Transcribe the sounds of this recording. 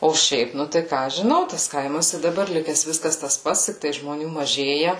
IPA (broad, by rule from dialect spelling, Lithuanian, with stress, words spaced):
oː ˈʃʲɛɪp ˈnʊ tɐɪ ˈkɑː ɐʃ ʒʲɪˈnɐʊ tɐs ˈkɐɪmɐs ɪ dɐˈbɐr ˈlʲɪkʲɛs ˈʋʲɪskɐs tɐs ˈpɐts ˈtʲɪktɐɪ ʒmoːˈnʲuː mɐˈʒʲeːjɛ